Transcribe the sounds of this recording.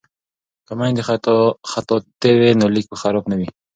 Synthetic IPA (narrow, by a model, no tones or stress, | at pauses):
kamand̪exat̪ɔt̪ewenolik̚pəxaɾɔpnawi